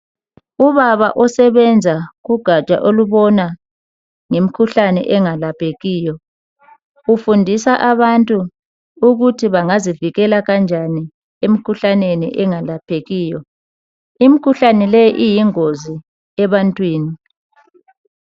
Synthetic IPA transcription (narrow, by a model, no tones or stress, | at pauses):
uβaβa̰ʔɔsɛβɛnd͡zʱaɣuɡ̥ʱat͡ʃʼa̰ʔoluβɔna | ŋem̩kʰuɬanɛ̰ʔɛŋalapʰeɣiːjɔ | ufundʱisaʔaβantʼu | uɣutʰiβaŋaziviɣɛlaɣand͡ʒʱani | em̩kʰuɬanenḭʔɛŋalapʰeɣiːjɔ | im̩kʰuɬanɛlɛjʔijiŋozi | ɛβantʼwiːni